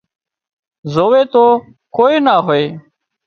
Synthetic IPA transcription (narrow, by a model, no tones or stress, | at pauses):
zoːʋeːt̪oː | koːiːnaːɦoːeː